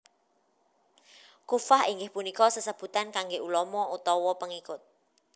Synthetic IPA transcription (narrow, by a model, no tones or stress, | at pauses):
kufaɦiŋɡɪhpunikɔsəsəb̥ṳt̪ankaŋɡeʔulɔmɔut̪ɔwɔpəŋikʊt̪̚